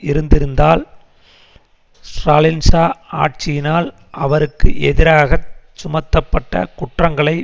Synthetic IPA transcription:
ɪɾɯnd̪ɪɾɯnd̪aːl | sɾaːlɪnsaːa̰ːʈ̚t͡ʃɪjɪnaːl | ʔɐʋɐɾɯkːɯʔɛðɪɾaːɣɐt͡ʃːʊmɐt̪ːɐpːɐʈːɐ̰kʊʈrɐŋɡɐɭɐɪ

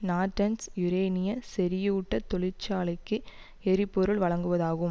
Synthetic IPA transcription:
naːʈːɐnsjʊɾeːnɪjɐsɛɾɪjːʈːɐt̪ːɔɭɪɾt͡ʃːaːɭɐɪkːɯ | ɛɾɪpːɔɾɯɭʋɐɭɐŋɡɯʋɐðaːɣɯm

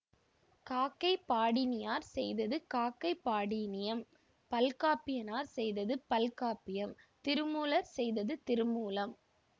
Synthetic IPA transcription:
kaːkːɐɪpːaːɽɪnɪjaːɾsɛjðɐðɯkaːkːɐɪpːaːɽinɪjɐm | pɐlkaːpɪjɐnaːɾsɛjðɐðɯpɐlkaːpɪjɐmt̪ɪɾɯmuːlɐɾsɛjðɐðɯt̪ɪɾɯmuːlɐm

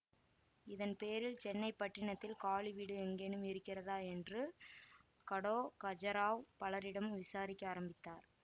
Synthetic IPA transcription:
ɪðɐnpeːɾɪlt͡ʃɛnːɐɪpːɐʈːɪɳɐt̪ːɪlkaːɭiʋiːɽɯɛŋɡeɳɯmɪɾɯkːɪrɐðaːɛndrɯ | kɐɽoːkɐd͡ʒɐɾaːʋpɐlɐɾɪɽɐmɯmʋɪsaːɾɪkʲːɯaːɾɐmbɪt̪ːaːɾ

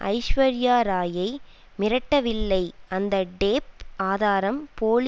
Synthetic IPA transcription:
ʔɐ̰ɪʃʋɐɾɪjaːɾaːjɐɪ | mɪɾɐʈːɐʋɪlːɐɪɐnd̪ɐɖeːp̚aːðaːɾɐmpoːl

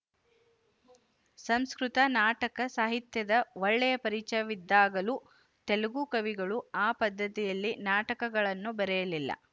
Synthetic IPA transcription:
sɐmskɾut̪ɐnaːʈɐkɐsaːɦit̪jɐd̪ɐʋɔɭːɛjɐpɐɾit͡ʃɐjɐʋid̪ːaːɡɐlu | t̪elɐɡuːkɐʋiɡɐɭuaːpɐd̪ːɐt̪ijɐlːinaːʈɐkɐɡɐɭɐnːubɐɾɛjɐlilːɐ̰

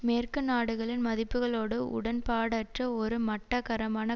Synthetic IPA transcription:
meːrkɯnaːɽɯɣɐɭɪnmɐðɪpːɯɣɐɭoːɽɯʔʊ̰ɽɐnpaːɽɐʈrɐɔɾɯmɐʈːɐkɐɾɐmaːnɐ

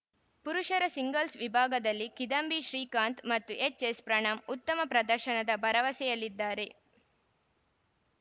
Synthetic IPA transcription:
puɾuʃɐɾɐsiŋɡɐlsʋibʱaːɡɐd̪ɐlːikid̪ɐmbiʃɾiːkaːnt̪mɐt̪ːuʔet͡ʃespɾɐɳɐmut̪ːɐmɐpɾɐd̪ɐɾʃɐnɐd̪ɐbɐɾɐʋɐsɛjɐlid̪ːaːɾe̞

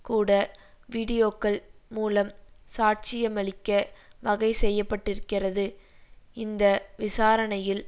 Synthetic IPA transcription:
kuːɽɐ | ʋiːɽɪjoːkːɐɭmuːlɐmsaːʈ̚t͡ʃɪjɐmɐɭɪkːɐʋɐɣɐɪsɛjːɐpːɐʈːɪɾɯkːɪrɐðɯ | ɪnd̪ɐʋɪsaːɾɐɳɐjɪl

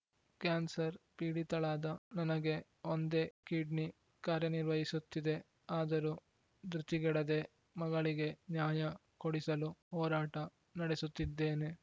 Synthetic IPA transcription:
kaːnsɐɾpiːɽit̪ɐɭaːd̪ɐnɐnɐɡe̞ | ond̪e̞ːkiːɖni | kaːɾjɐniɾʋɐɦisut̪ːid̪e̞ | aːd̪ɐɾu | d̪ɾut̪iɡɛɽɐd̪e̞ | mɐɡɐɭiɡe̞njaːjɐ | koɽisɐluɦɔːɾaːʈɐ | nɐɽesut̪ːid̪ːeːne

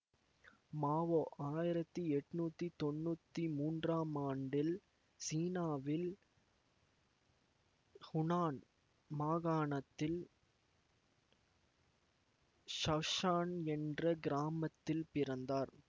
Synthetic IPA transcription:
maːʋoːʔaːjɪɾɐt̪ːɯɛʈːnuːt̪ːit̪ɔnːuːt̪ːimuːndraːmaːɳɖɪl | siːnaːʋɪl | hʊnaːn | maːɣaːɳɐt̪ːɪl | ʃɐʋʂaːnɛndrɐɡɪɾaːmɐt̪ːɪlpɪɾɐnd̪aːɾ

